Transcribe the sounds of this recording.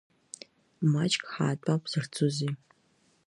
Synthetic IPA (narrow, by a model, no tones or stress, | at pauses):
mat͡ʃʼkʼħaːtʷʼapʰʼz̥ɨrt͡sʰʼuzi